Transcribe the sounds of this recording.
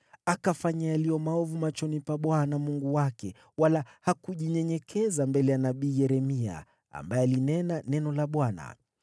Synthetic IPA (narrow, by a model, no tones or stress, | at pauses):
akafaɲajalijɔmaɔvumat͡ʃɔnipaɓwanamuŋɡuwakɛ | walahakuʄiɲɛɲɛkʰɛzambɛlɛjanaɓiːjɛɾɛmia̰ | a̰mbaɛalinɛnanɛnɔlaɓwana̰